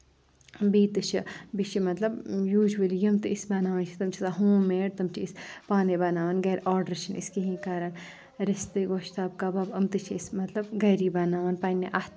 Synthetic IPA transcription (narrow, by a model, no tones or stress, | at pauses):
biːt̪ɨt͡ʃʰibit͡ʃʰimɐt̪lɐbjuːʒʋɐljɐmt̪ɨisbɐːnaːʋaːnt͡ʃʰi̥t̪ɐmt͡ʃʰisaɦũːmeːɽt̪ɐmt͡ʃʰiispaːnebɐnaːʋɐnɡɐɾʔaːɾɖɐɾt͡ʃʰinḭskiɦĩkaːɾɐn | ɾɐst̪ɨɡoːʃt̪aːb̚kaːbabɐmt̪ɨt͡ʃʰiismɐt̪lɐbɡɐɾibɐnaːʋanpanːeʔat̪